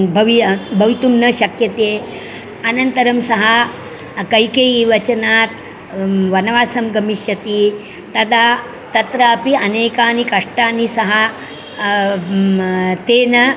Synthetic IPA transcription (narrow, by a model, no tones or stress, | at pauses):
bʱɐʋibʱɐʋit̪umnɐʃɐkjɐt̪eː | ɐnɐnt̪ɐɾɐmsɐɦɐ | kɐjkeːjiʋɐt͡ʃɐnaːt̪ | ʋɐnɐʋaːsɐmɡɐmiʃjɐt̪i | t̪ɐd̪aː | t̪ɐt̪ɾaːpiɐneːkaːnikɐʂʈaːnːisɐɦɐ | t̪eːnɐ